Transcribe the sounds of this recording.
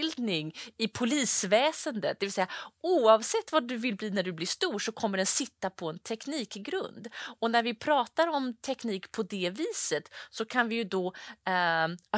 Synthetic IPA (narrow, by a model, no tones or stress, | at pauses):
ld̪nɪŋɪpʰʊliːsvɛːsənd̪ə̰t̪̚d̪ɛvɪlsɛjːauːɑvsɛt̪ːvaɖɵvɪlbliːnæɖɵblɪʂt̪uːʂɔkʰɔmːəɖɛnsɪt̪ːapʰɔɛnt̪ʰɛkniːkɡɾɵ̰nd̪ɔnæɾvɪpʰɾɑːt̪aɾɔmt̪ʰɛkniːkpʰɔd̪ɛviːsət̪sɔkʰanvɪjɵd̪ɔ